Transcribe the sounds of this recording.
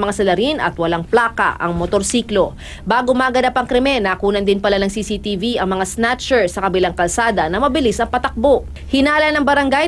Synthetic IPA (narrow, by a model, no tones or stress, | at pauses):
mɐŋasɐlɐɾinʔɐ̰t̪wɐlaŋplaːkɐ̰ʔɐ̰ŋmot̪oɾsiːklo̞ | baːɡomaːɡɐd̪apɐŋkɾɛmɛnaːkuːnɐnd̪ɪnpɐlanɐŋsiːsit̪iviɐŋmɐŋasnat͡ʃɛɹsɐkɐbɪlaŋkɐlsaːd̪ɐnɐmɐbɪlɪsɐŋpɐt̪ɐk̚boʔ | hɪnaːlɐnɐŋbɐɾɐŋɡa